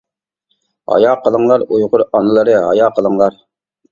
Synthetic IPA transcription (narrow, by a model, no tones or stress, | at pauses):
ɦɑ̰jɑːqəlˠəŋlˠɑɾujʁʊɾɑnɨlˠəɾəɦɑ̰jɑːqəlˠəŋlˠɑɾ